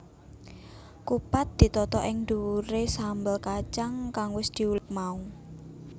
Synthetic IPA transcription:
kupat̪̚d̪̥i̤t̪ɔt̪ɔʔɪŋnd̪uɾesambəlkat͡ʃaŋkaŋwɪsd̪̥i̤ulɪk̚mau

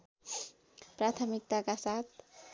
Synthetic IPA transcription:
pɾat̪ʰəmik̚t̪akasat̪ʰ

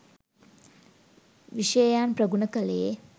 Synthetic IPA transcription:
ʋiʃəjjaːnprəɡunəkəleje

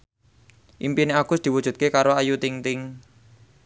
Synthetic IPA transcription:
ʔimpineaɡ̥ʊsd̪̥iwud̥ʒ̥ṳt̪̚kekaɾoajut̪ɪŋt̪ɪŋ

